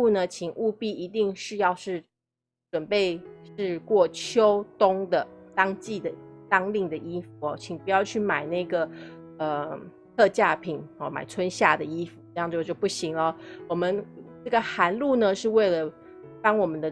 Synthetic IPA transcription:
u˥˧nə˨t͡ɕʰi˨˩ŋʔu˥˧pi˥˩i˧˥t̪i˥˧ŋʂɻ̩˥˧jɑ˥˧ʊʂɻ̩˥˩ | ʈ͡ʂwə˨˩npe˥˧ɪʂɻ̩˥˧kwɔ˥˩t͡ɕʰjo˥ʊt̪ʊ˥ŋd̪ə˨t̪ɑ˥ŋt͡ɕi˥˩d̪ə˩t̪ɑ˥ŋli˥˩ŋd̪ə˨ʔi˥fu˨˩ɔ˧˩t͡ɕʰi˨˩ŋpu˧˥jɑ˥˧ʊt͡ɕʰy˥˩ma˨˩ɪna˥˩ɪɡə˩ | ə˨˩ | t̪ʰɤ˥˧t͡ɕja˥˩pʰi˨˩˦nɔ˥˩ma̰˨˩ɪt͡sʰwə˦˥nɕja˥˩d̪ə˩i˥fu˨˩ʈ͡ʂjɑ˥˧ŋt͡ɕo˥˧t͡ɕjo˥˧ʊpu˥˩ɕi˧˥ŋlə˧˦wɔ˨˩mə˦nʈ͡ʂɤ˥˩ɡə˩xa˧˥nlu˥˩nə˨ʂɻ̩˥˧we˥˩ɪlə˩ | pɑ˥ŋwɔ˨˩mə˦nd̪ə˧

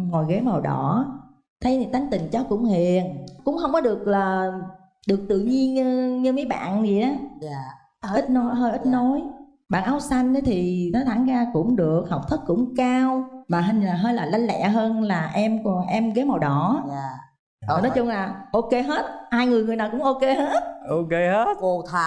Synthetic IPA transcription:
ŋɔ˨˩jɣe˨˦ma˨˩wɗɔ̰˧˩˨ | t̪ʰə˨˦jni˨˩t̪a˨˦ŋ̟t̪ï˨˩ŋ̟t͡ɕɔ˨˦wkʊ̰˧˥ŋ͡mhḭ˧˨ənkʊ̰˧˥ŋ͡mxə˧wŋ͡mkɔ˨˦ɗɨ˨˩ək̚laː˨˩ | ɗɨ˨˩ək̚t̪ɨ̰˧˨ɲi˧ənɲɨ˧ɲɨ˧mə˨˦jɓa̰ː˧˨nzi˨˩jʔaː˨˦ | i˦˥t̚no˨˦jɦəː˧jʔi˦˥t̚no˨˦j | ɓa̰ː˧˨nʔa˧wsa˧jŋ̟ɗə˨˦t̪ʰi˨˩nɔ˨˦t̪ʰaː˧˩nzaː˧kʊ̰˧˥ŋ͡mɗɨ˨˩ək̚hə˨˩wk͡p̚t̪ʰɨ˦˥k̚ːʊ̰˧˥ŋ͡mkaː˧wmaː˨˩ɦə˧nlaː˨˩ɦəː˧jlaː˨˩la˨˧ŋlɛ̰˧˨əɦəː˧nlaː˨˩ʔɛ˧mkɔ˨˩nʔɛ˧mɣe˨˦ma˨˩wɗɔ˧˩˨ | nɔ˨˦jt͡ɕʊ˧ŋ͡mlaː˨˩ʔo˧ke˧ɦe˦˥t̚haː˧jŋɨ˨˩əjŋɨ˨˩jnaː˨˩kʊ̰˧˥ŋ͡mʔo˧ke˧ɦe˦˥t̚ʔo˧ke˧he˦˥t̚ko˧˩t̪ʰa˧˨

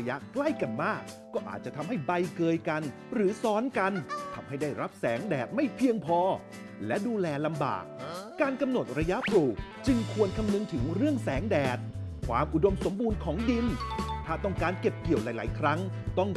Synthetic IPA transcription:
ja˦˥kla˥˩jka˧nmaː˥˩k̚ːɔː˥˩ʔa̰ː˨˩t͡ɕa˨˩t̪ʰa˧mɦa˥˩jba˧jkɤː˧jka˧n | ɾɯː˩˦sɔː˦˥nka˧nt̪ʰa˧mha˥˩jdaː˥˩jɾa˦˥p̚sɛː˩˦ŋdɛː˨˩t̪̚ma˥˩jpʰi˧əŋpʰɔː˧ | lɛ˦˥duː˧lɛː˧la˧mba̰ː˨˩k̚kaː˧nka˧mno˨˩t̪̚ɾa˧ja˦˥ʔpluː˨˩k̚ | t͡ɕɯ˧ŋkʰu˧ənkʰa˧mnɯ˧ŋt̪ʰɯ˩˦ŋɾɯ˥˩əŋsɛː˩˦ŋdɛː˨˩t̪̚kʰwaː˧mʔu˨˩do˧mso˩˦mbuː˧nkʰɔː˩˦ŋdi˧nt̪ʰaː˥˩t̪ɔ˥˩ŋkaː˧nke˨˩p̚ki˨˩əwla˨˩˦jla̰ː˩˦jkʰɾa˦˥ŋ | t̪ɔ˥˩ŋ

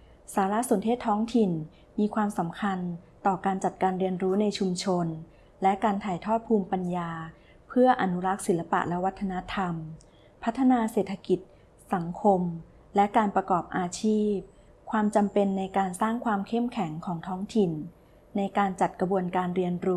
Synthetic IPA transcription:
saː˩˦ɾa˦˥su˨˩˦nt̪ʰeː˥˩t̪ʰːɔː˦˥ŋt̪ʰi˨˩n | miː˧kʰwaː˧msa˩˦mkʰa˧nt̪ɔː˨˩kaː˧nt͡ɕa˨˩t̪̚kaː˧nɾi˧ənɾuː˦˥na˧jt͡ɕʰu˧mt͡ɕʰo˧n | lɛ˦˥kaː˧nt̪ʰaː˨˩jt̪ʰɔː˥˩t̪̚pʰuː˧mpa˧njaː˧ | pʰɯ˥˩ɐʔa˧nu˦˥ɾa˦˥k̚si˨˩˦la˧pa̰˨˩ʔlɛ˦˥wa˦˥t̪ʰːa˧na˦˥t̪ʰa˧m | pʰa˦˥t̪ʰːa˧naː˧seː˨˩t̪ʰːa˧ki˨˩t̪̚ | sa˩˦ŋkʰo˧m | lɛ˦˥kaː˧npɾa˧kɔː˨˩p̚ʔaː˧t͡ɕʰiː˥˩p̚ | kʰwaː˧mt͡ɕa˧mpe˧nːa˧jkaː˧nsaː˥˩ŋkʰwaː˧mkʰe˥˩mkʰɛ˩˦ŋkʰɔː˩˦ŋt̪ʰɔː˦˥ŋt̪ʰi˨˩nː | a˧jkaː˧nt͡ɕa˨˩t̪̚kɾa˧bu˧ənkaː˧nɾi˧ənɾuː˦˥

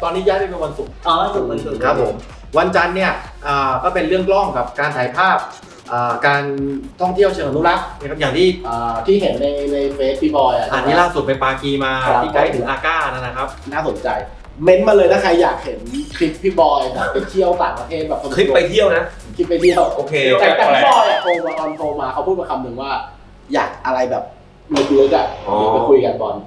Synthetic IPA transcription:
t̪ɔː˧nʰiː˦˥jaː˦˥˩a˥˩pe˧nwa˧nsu˨˩k̚ʔɔː˧˦a˥˩su˨˩ma˨˧˦nsʰɯ˨˦kʰa˦˥pʰːo˩˦m | wa˧nt͡ɕa˧nːi˥˩ɐ | ʔaː˨˩kɔː˥˩pe˧nɾɯ˥˩əŋklɔ˥˩ŋka˨˩p̚kaː˧nt͡ɕ̪ʰaː˩˦jpʰaː˥˩p̚ | ʔaː˨˩kaː˧nt̪ʰɔ˥˩ŋt̪ʰi˥˩əwt͡ɕʰeː˧ma˧nu˦˥la˦˥k̚a˧˥kʰa˦˥p̚jaː˨˩ŋt̪ʰiː˥˩ʔəː˨˩t̪ʰiː˥˩ɦe˩˦nːa˧jna˧jmeː˦˥t̪̚ʰːi˦˥˩bɔː˧jʔa̰˨˩ʔa˨˩nːiː˦˥laː˥˩su˨˩pa˧npaː˧kiː˧maː˧˦iː˥˩ka˦˥˩t̪ʰɯ˩˦ʔaː˧kaː˥˩˧na˦˥˩na˦˥kʰa˦˥p̚naː˥˩so˩˦nt͡ɕa˧j | me˦˥n̚maː˧lɤː˧jnaː˦˥˩kʰa˧jːaː˨˩k̚he˩˦nkʰli˦˥p̚ːʰi˦˥bɔː˧jbɛː˨˩pːe˧t̪ʰi˥˩əwt̪aː˨˩ŋpɾa˧t̪ʰeː˥˩t̪̚bɛː˨˩p̚kʰa˧kʰɾi˦˥˧pːa˧jt̪ʰi˥˩əwna˦˥ | kʰli˦˥p̚ːa˧jt̪ʰi˥˩əwʔoː˧kʰeː˧˥ʔa˧˩˧a˧˦˥bɔː˧ja˨˩pʰo˧ma˧kɔː˧npʰo˧maː˧kʰa˦˥pʰu˥˩a˧kʰa˧mːɯ˧ŋwaː˥˩ | ja̰ː˨˩k̚ʔa˧ɾa˧jbɛː˨˩p̚ | ma˧kʰu˧lɯ˦˥t͡ɕa˨˩k̚iː˦˩a˧kʰu˧jka˧nkɔː˨˩n

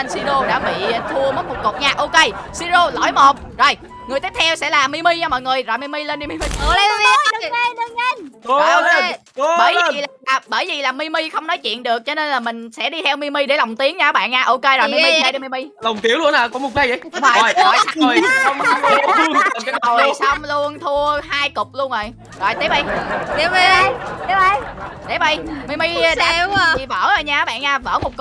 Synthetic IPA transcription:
nsi˧zo˧ɗa̰ː˧˥ɓḭ˧˨t̪ʰu˧əmə˦˥t̚ku˨˩ko˨˩t̚ɲaː˧ʔo˧ke˧si˧zo˧lo̰˧˩˦jmo˨˩t̚zo˨˩j | ŋ˨˩jt̪i˦˥t̪̚ʰɛ˧wsɛ̰˧˥laː˨˩mi˧mi˧ɲaː˧mɔ̰˧˨jŋɨ˨˩əjzo˨˩jmi˧mi˧le˧nɗi˧mi˧mi˧˨˧vɗɨ˨˧˩ŋə˧n˧ɔ˨jʔo˧ke˧ | ɓəː˧˩˦ji˨˩laː˨˩ʔaː˨˩ɓəː˧˩jvi˨˩laː˨˩mi˧mi˧xə˧wŋ͡mnɔ˨˦jt͡ɕwḭ˧˨ənɗɨ˨˩ək̚t͡ɕɔ˧ne˧nlaː˨˩mï˨˩ŋ̟sɛ̰˧˥ɗi˧t̪ʰɛ˧wmi˧mi˧ɗe˧˩la˨˩wŋ͡mt̪i˨˦əŋɲa˧˨˦ɓa̰ː˧˨nɲaː˧ʔo˧ke˧zmi˧mi˧ə˧˦ɗi˧mi˧mi˧la˨˩wŋ͡mt̪i˨˦əŋlu˧ənaː˨˩kɔ˨˦mo˨˩t̚kaː˧jzə˧˨˦jvɔ˨˩˨jo˨˩jo˧˨˩wo˨˩jsa˧wwŋ͡mlu˧ənt̪ʰu˧əhaː˧jkʊ˨˩k͡p̚lu˧ənʔə˨˩j | zo˨˩jt̪i˨˦˥p̚i˧jt̪i˨˦˧t̪i˨˦˧jt̪i˨˦˥p̚i˧jmi˧mi˧ɗa̰˨˩˨i˨˩və̰ː˧˥˩əː˨˩jɲaː˧˨˦ɓa̰ː˧˨nɲaː˧və̰ː˧˥mo˨˩t̚k

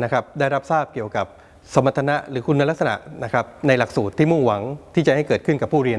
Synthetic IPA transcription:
na˦˥kʰa˦˥p̚daː˥˩jɾa˦˥p̚saː˥˩p̚ki˨˩əwka˨˩p̚ | so˩˦ma˨˧t̪ʰːa˧na˦˥ɾɯː˩˦kʰu˧nːa˦˥la˦˥k̚sa˧na̰˨˩ʔna˦˥kʰɾa˦˥p̚na˧jla˨˩k̚suː˨˩t̪ʰːiː˥˩mu˥˩ŋwa˩˦ŋt̪ʰiː˥˩t͡ɕa˨˩ha˥˩jkɤː˨˩t̪̚kʰɯ˥˩nka˨˩pʰːuː˥˩ɾi˧ən

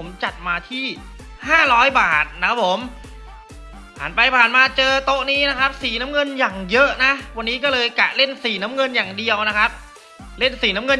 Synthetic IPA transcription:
o˩˦mt͡ɕa˨˩t̪̚maː˧t̪ʰiː˥˩ | haː˥˩ɾɔː˦˥jbaː˨˩t̪̚n˥kʰa˦˥p̚ʰo˩˦m | pʰa̰ː˨˩npa˧jpʰaː˨˩nmaː˧t͡ɕɤː˧t̪o˦˥ʔniː˦˥na˦˥kʰa˦˥p̚siː˨˩na˦˥mŋɤ˧njaː˨˩ŋjɤ˦˥ʔna˦˥wa˧nːiː˦˥k̬ɔː˥˩lɤː˧jka˨˩ʔle˥˩nsiː˨˩na˦˥mŋɤ˧njaː˨˩ŋdi˧əwna˦˥kʰa˦˥p̚ | le˥˩nsiː˨˩˦na˦˥mŋɤ˧n

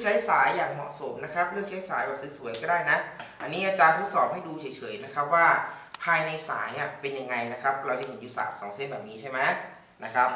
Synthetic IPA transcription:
kt͡ɕʰa˦˥jsaː˩˦jːaː˨˩ŋmɔ̰˨˩ʔso˩˦mna˦˥kʰa˦˥p̚ɾɯ˥˩k̚t͡ɕʰa˦˥jsaː˩˦jbɛː˨˩p̚sɯ˦˥su˨˩˦əjkɔː˥˩daː˥˩jna˦˥ʔa˧nːiː˦˥ʔaː˨˩t͡ɕaː˧pʰuː˦˥˩sɔː˨˦p̚ha˥˩jduː˧t͡ɕʰɤː˩˦jt͡ɕʰɤ˩˦jna˦˥kʰa˦˥p̚waː˥˩ | pʰaː˧jna˧jsa̰ː˩˦jʔa˨˩pe˧nja˧ŋːa˧jna˦˥kʰa˦˥p̚ɾa˧wt͡ɕa˨˩he˨˩˦njuː˦˥sa̰ː˨˩k̚sɔː˩˦ŋse˥˩nbɛː˨˩p̚niː˦˥t͡ɕʰa˥˩jma˦˥j | na˦˥kʰa˦˥p̚

